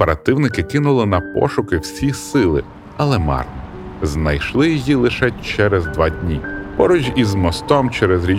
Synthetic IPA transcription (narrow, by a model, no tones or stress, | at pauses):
peɾɐt̪ɪwnɪkɪkɪnʊlˠɪnɐpɔ̰ʃʊkɪwsʲisɪlˠɪ̰ | ɐlˠɛmɑ̰rt̪ɔ | znɐjʃlˠɪjɔjilˠɪʃɛt͡ʃɛɾɛzd̪ʋɑdʲnʲipɔɾɔd͡ʒʲizmɔst̪ɔmt͡ʃɛɾɛzɾʲi